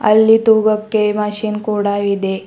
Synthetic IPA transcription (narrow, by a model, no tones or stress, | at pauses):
ɐ̰lːit̪uːɡɐkːemɐʃiːnkuːɽaid̪e